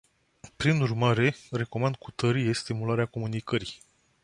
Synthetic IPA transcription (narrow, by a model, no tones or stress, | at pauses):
pɾinurmaɾe̞re̞ko̞mand̪̚kut̪əɾije̞st̪imulaɾeako̞munikəɾi